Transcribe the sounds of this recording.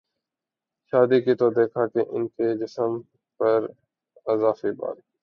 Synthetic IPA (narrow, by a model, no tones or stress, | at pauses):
ʃaːd̪ikit̪od̪eːkʰaːkeʔɪ̰nked͡ʒɪsəm | pəɾ | ɪzaːfiba̰ːl